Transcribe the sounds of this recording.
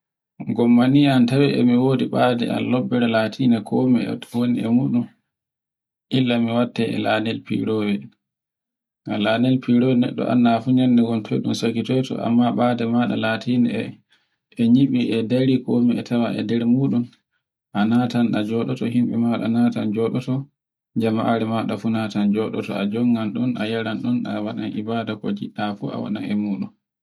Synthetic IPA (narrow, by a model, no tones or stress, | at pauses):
ɡɔmːaniantawɛɛ̰miwodiɓadɛ̰a̰lːɔbːɛɾɛlaːtʰiːnɛkʰɔmḭwoniɛ̰muːɗum | ʔilːamiwatːɛɛ̰laːnɛlpḭɾowɛ | alanɛlpiɾowɛnɛ̰ɗːɔ̰ʔa̰nːafuɲandɛɡɔntʰɔ̰jɗumsakitɔtɔ̰ʔa̰mːaɓaːdɛmaɗa̰latinɛ | ɛɲiɓiɛdaɾikomiɛtʰawaʔɛ̰dɛɾmuːɗun | ʔanaːtanɗad͡ʒɔɗɔtɔhimɓɛmaɗa̰naːtand͡ʒɔɗɔtɔ | d͡ʒamaʔaɾɛmaɗafunatand͡ʒɔɗɔtɔ̰ad͡ʒɔŋɡanɗɔnajaɾanɗɔna̰waɗa̰nʔibaːdakɔd͡ʒiɗːafua̰wa̰ɗa̰nɛmuːɗun